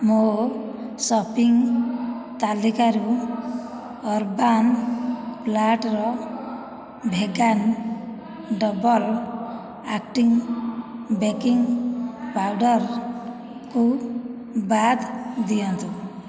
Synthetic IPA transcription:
mo | sɔpiŋ | t̪alikaɾu | ɔɾban | plaʈɾɔ | bʱeɡan | ɖɔbɔl | akʈiŋ | bekiŋpawɖɔɾ | ku | bad̪d̪ijɔnt̪ũ

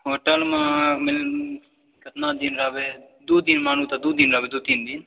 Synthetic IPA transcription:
ɦoːʈəlmãːmɪl | kɪt̪nãːd̪inɾaːbeː | d̪uːd̪inmaːn̤ũːt̪ad̪uːd̪iːnɾaːbed̪uːt̪ind̪in

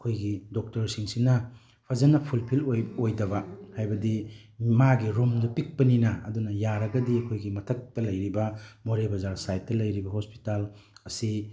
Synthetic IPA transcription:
ɐkʰojɡidok̚tɐɾsiŋsinɐ | pʰɐzɐnɐpʰulpʰilojojdɐβɐhajbɐdimaɡiɾumdɐpik̚pɐninɐ̰ːdunɐjaɾɐɡɐdiɐkʰojɡimɐtʰɐk̚tɐlɐjɾibɐmoɾebɐzaɾsajt̚ːɐlɐjɾibɐɦospi̥talɐsi

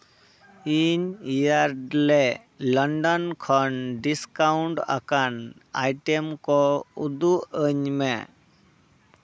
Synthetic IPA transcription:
iɲijaɾɖlɛ | lɔɳɖɔnkʰɔnɖiskauɳʈa̰kana̰jʈemkɔud̪uəɲmɛ

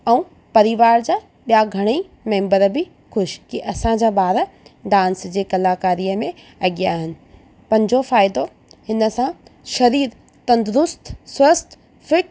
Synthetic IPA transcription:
ɛũ | pɐɾɪʋaːɾd͡ʑaː | ɓijaɡʱɐɽ̃ei | mẽːmbəɾbʱɪ | xʊʃkiʔɐsãd͡ʑaːbaːɾəɖãːnsd͡ʑeːkɐlaːkaːɾijəmẽ | ɐɠijaːɦɪnɪ̆ | pɐ̃ɲd͡ʑofaːɪd̪o | hɪnə̆sãʃɐɾiːɾ | t̪ɐ̃nd̪ʊɾʊst̪ʰswɐst̪ | fɪʈ

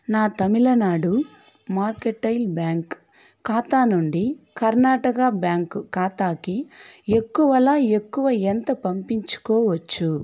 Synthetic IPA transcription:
naːt̪ɐmilɐnaːɽu | maːɾkeʈːɐjlbjaːŋkː | aːt̪aːnuɳɖikɐɾnaːʈɐkɐbjaːŋkukaːt̪aːkie̞kːuʋɐlaːe̞kːuʋɐent̪ɐpɐmpiɲt͡ʃu̥kɔːʋɐt͡ʃːu

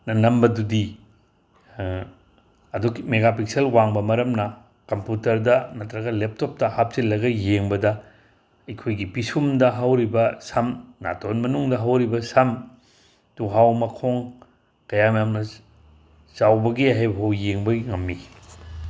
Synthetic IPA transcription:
nɐnɐmbɐdudi | ɐdukimeɡapikselwaŋbɐmɐɾɐmnɐ | kɐmputɐɾdɐmɐtɾɐɡɐlep̚tʰop̚tɐhap̚silːɐɡɐjeŋbɐdɐ | ɐjkʰojɡipisumdɐɦɐwɾibɐsɐmna̰tonmɐnuŋdɐɦɐwɾibɐsɐm | tuɦawmɐkʰoŋ | kɐjamjamnɐ | sawbɐɡiɦajbɐɦawjeŋbɐŋɐmːi

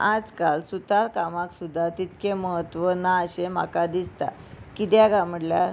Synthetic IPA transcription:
ad͡zkalsut̪aɾkamãksud̪ʱːat̪it̪keməɦət̪ʋənaəɕem̤a̰kad̪ist̪a̰ | kit̪jaɡãm̤əɽlja̰

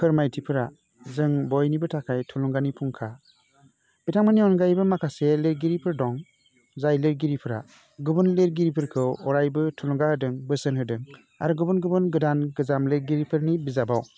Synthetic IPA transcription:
kʰɯɾmajtʰipʰɯɾa | zɯŋbɔjnibɯtʰakʰajtʰuluŋɡanipʰuŋkʰa | bitʰaŋmaniɔnɡajbɯmakʰaseleɾɡiɾipʰɯɾdɔŋ | zajleɾɡiɾipʰɯɾa̰ | ɡɯbɯnleɾɡiɾipʰɯɾkʰɯɔɾajbɯtʰuluŋɡahɯdɯŋbɯsɯnɦɯdɯŋ | a̰ɾuɡɯbɯnɡɯbɯnɡɯdanɡɯzamleɾɡiɾipʰɯɾnibizabaw

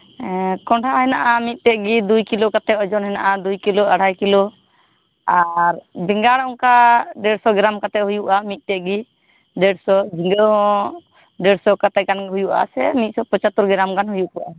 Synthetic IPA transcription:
kɔɳʈʰaɦɛnaʔamit̪̚ˀt̪ɛʔ̚ɡid̪ujkilɔkat̪ɛʔ̪ɔd͡ʒɔnɦɛnaʔad̪ujkilɔaɽ̤ʱajkilɔ | aɾbiŋɡaɽãkaɖɛɽsɔɡɾamkat̪ɛʔ̚hujuʔamit̪̚ˀt̪ɛʔɡi | ɖɛɽsɔd͡ʒiŋɡəɦɔ̃ | ɖɛɽsɔkat̪ɛɡanhujuʔa̰sɛmit̪̚sɔpɔ̃t͡ʃat̪uɾɡɛɾamɡanhujuʔkɔʔa

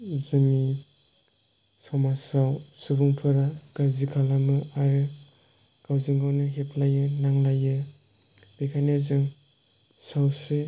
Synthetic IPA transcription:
zɯŋi | sawmasawsubuŋpʰɯɾaɡ̥azikʰalamɯaɾɯ | ɡ̥awziŋɡawnɯɦepʰlajɯnaŋlajɯ | b̥ekʰanezɯŋ | sawsɯ

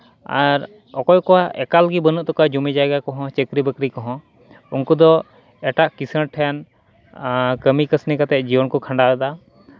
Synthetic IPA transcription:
a̰ɾ | ɔkɔjkɔaɛkalɡibənuʔ̚t̪ɔkad͡ʒumɛd͡ʒajɡakɔɦɔ̃t͡ʃəkɾibəkɾikɔɦɔ̃ | unkud̪ɔ | ɛʈaʔkisəɽʈʰɛjan | kəmikəsnikat̪ɛd͡ʒiwɔnkɔkʰãɳɖad̪a

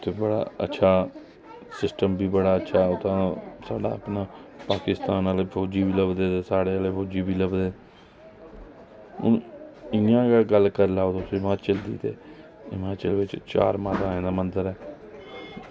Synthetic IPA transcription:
t̪eːbəɽa̰ːə̰tːʃʰaː | sɪsʈəmbiːbəɽaːətːʃʰaːt̪ãːsaːɖa̰ːəpnaːpaːkɪst̪aːnaleːpʰoːd͡ʒiːbiːləbd̪eːt̪eːsaːɽeːaːleːfʰoːd͡ʒiːbiːləbd̪eː | ʊ̰nɪjãːɡaɡəlːkəɾlaːot̪osɪmaːt͡ʃəld̪ḭːt̪ḛː | ɪmaːt͡ʃəlːʋɪt͡ʃt͡ʃa̰ːɾmaːt̪ãːẽːd̪aːmənd̪əɾɛː

